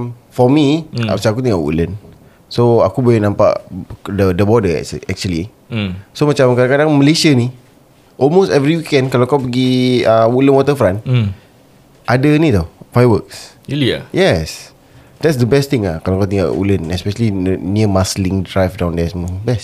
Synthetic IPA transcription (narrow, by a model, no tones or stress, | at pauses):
fɔmiasak̬ut̪iŋa̰ʔwṵlən | soakubojənãmpa̰ʔdədəbɔdəɛ̰k̚t͡ʃʔɛk̚t͡ʃuəli | somat͡ʃamkadakadaŋməlesiani | ʔɔlmostɛvɾiwikɛ̃ndkalakawpəɡiəwulənwɔt̪əfɾãn | ʔadənĩt̪awfajwəks | jɛs | dɛts̬d̪əbɛst̪ɪ̃ŋakalawkawt̪iŋa̰ʔṵlənɛspɛʃəliniəmaslɪ̃ŋdɹajfdãwndɛsəmɔbɛst